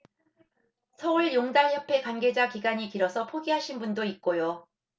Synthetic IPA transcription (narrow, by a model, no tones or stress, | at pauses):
sʰʌuɭjoŋdaɭjʌpʰe̞kwanɡe̞d͡ʑakiɡaɲikiɾʌsʰʌpʰoɡiɦaɕʰinbundoit̚k͈ojo